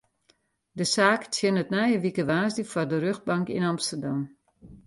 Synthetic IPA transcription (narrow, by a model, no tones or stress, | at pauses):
dəsaːkt͡sʰjənətnɛjəʋikəʋaːsdəfɔrdəɾøxt̚baŋkinɑmstərdam